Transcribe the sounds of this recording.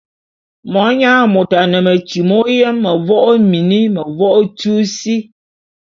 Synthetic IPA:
mɔ˨˦ɲaː˦mo˨ta˨nə˨mə˨t͡ʃi˨mo˦jɛ˦mːə˨vɔ˦ʔo˦mi˨ni˦mə˨vɔ˦ʔo˦tu˦si˦

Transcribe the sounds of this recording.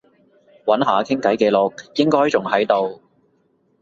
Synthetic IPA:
wɐ˨˥nɦaː˨˧kʰɪ˥ŋkɐ˨˥jkɛː˧lʊ˨˧k̚jɪ˥ŋkɔː˥jt͡sʊ˨˩ŋhɐ˨˥jt̪o˨w

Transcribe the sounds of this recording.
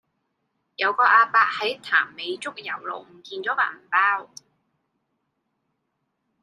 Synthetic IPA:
jɐ˨˧wkɔː˧ʔaː˧paː˧k̚hɐ˨˥jt̪ʰaː˨˩mːe˨˧jt͡sʊ˥k̚jɐ˨˩wlo̰˨wm̩˨˩kiː˧nt͡sɔː˨˥pa̰ː˨˩m̩˨˩paː˥w

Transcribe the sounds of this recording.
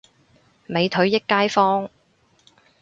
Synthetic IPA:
me˨˧jt̪ʰɵ˨˥ɥjɪ˥kːaː˥jfɔː˥ŋ

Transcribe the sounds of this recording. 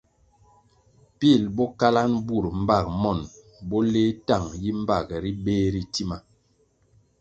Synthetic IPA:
pi˦˨lbɔ˦ka˦la˦nbu˦˨ɾm̩˦ba˦˨k̚mɔ˦˨n | bɔ˦le˦ta˦˨ŋji˦m̩˦ba˦˨kɛ˨ɾi˦beː˦ɾi˨ti˦ma˨

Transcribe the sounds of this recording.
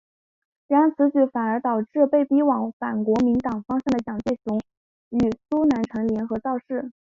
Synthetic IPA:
li˧˥ɑ˧˥nt͡sʰɹ̩˧˥t͡ɕy˧˥fa˨˩nə˞˧˥t̪ɑ˨˩ʊʈ͡ʂɻ̩˥˧pe˥˩ɪpi˥wɑ˨˧˥ŋfa˨˩nkwɔ˧˥mi˧˥ŋt̪ɑ˨˩ŋfɑ˥ŋɕjɑ˥˩ŋd̪ə˩t͡ɕjɑ˨˩ŋt͡swe˥˩ɪɕʊ˧˥ŋ | y˨˩su˥na˧˥nʈ͡ʂʰɤ˧˥ŋljɛ˧˥nxɤ˧˥t͡sɑ˥˧ʊʂɻ̩˥˩

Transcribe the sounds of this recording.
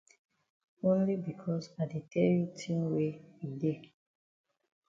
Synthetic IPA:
õ˦nli˦bi˨kʰɔ˦sa˨de˨tʰɛ˦lju˦tʰĩ˦nwe˦wi˨de˦˨

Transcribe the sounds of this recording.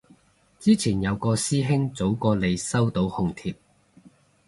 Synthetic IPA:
t͡siː˥t͡sʰiː˨˩njɐ˨˧wkɔː˧siː˥ɦɪ˥ŋt͡so˨˥wkɔː˧le˨˧jsɐ˥wt̪o˨˥whʊ˧ŋt̪ʰiː˧p̚

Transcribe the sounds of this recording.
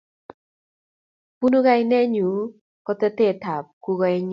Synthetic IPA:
pu˦no˦ɡa˦jnɛ˦ɲu˨˦ | kɔ˦t̪ɛ˦t̪e˦˨ta˨p̚ku˦ɡɔ˨˧ɛ˦ɲ

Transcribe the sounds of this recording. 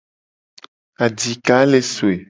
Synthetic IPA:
a˨di˨ka˦le˨su˨e˨

